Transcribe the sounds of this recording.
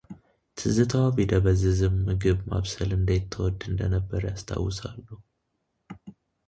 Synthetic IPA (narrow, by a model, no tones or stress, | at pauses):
t̪ʰɨzɨt̪ʰawbid̪əβəzːɨzɨmmɨɡɨβma̰βsəlɨnd̪ajɪt̪ʰːəwɔd̪ːɨnd̪ənəbːəɾjast̪ʰa̰wːɨsalːu